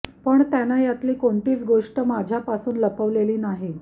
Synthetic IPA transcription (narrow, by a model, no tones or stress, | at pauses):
pəɳt̪janajat̪liːkoɳʈiːt͡sɡoʂʈəmad͡ʑʱjapasuːnləpəʋleliːnaɦe